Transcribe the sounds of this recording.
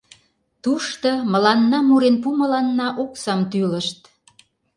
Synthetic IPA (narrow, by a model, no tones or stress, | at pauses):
t̪uʃt̪ɤmə̆lɑnːɑmuɾenpumə̆lɑnːɑʔoksɑmt̪yləʃt̪̚